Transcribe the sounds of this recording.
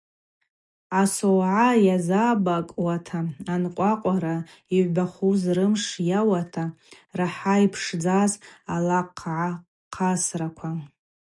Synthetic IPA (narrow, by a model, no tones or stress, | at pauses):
asowʕajazabakʼwatʰaanqʷʼaqʷʼaɾa | iʕʷbaχuzrɨmʂjawatʰa | raħaipʰʂd͡zazalaqʰʕa | qʰasrakʷʰa